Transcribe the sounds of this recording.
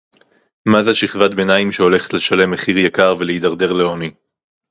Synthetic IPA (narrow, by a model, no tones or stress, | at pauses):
mazaʃiχvat̪be̞naimʃeo̞le̞χet̪leʃale̞meχiʁjakaʁveleid̪aʁd̪e̞ʁleoni